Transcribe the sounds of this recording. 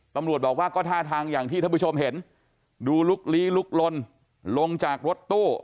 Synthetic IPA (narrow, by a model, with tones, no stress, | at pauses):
t̪a˧mɾu˨˩ət̪̚bɔː˨˩k̚waː˥˩kɔː˥˩t̪ʰaː˥˩t̪ʰaː˧ŋjaː˨˩ŋt̪ʰiː˥˩t̪a˥˩pu˥˩o˧mɦe˩˦n | duː˧lu˦˥k̚liː˦˥lu˦˥k̚lo˧n | lo˧ŋt͡ɕaː˨˩k̚ɾo˦˥t̪ːuː˥˩